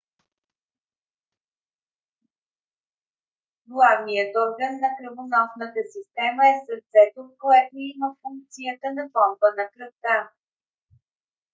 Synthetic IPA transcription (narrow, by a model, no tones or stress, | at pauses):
ɡlˠavnijət̪ɔɾɡənːɐkɾəvonɔfnət̪əsist̪ɛməɛsəɾt̪zɛt̪ot̪̚koɛt̪ninɐfuŋk̚t̪sijət̪ənɐpɔmbənɐkɾəft̪a